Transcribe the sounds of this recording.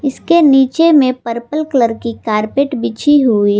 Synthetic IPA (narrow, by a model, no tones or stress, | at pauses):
ɪskeniːt͡ʃemẽpəɾpəlkləɾkikaːɾpeːʈbɪt͡ʃʰiɦui